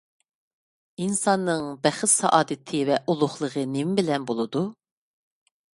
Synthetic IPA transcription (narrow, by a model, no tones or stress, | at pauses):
insɑnːɨŋbæχɪt̪sɑ̰ʔɑːd̪ɨt̪ʰɨvɛʔulˠʊχlˠəʁənɪmbɪlɛnbolˠɨd̪u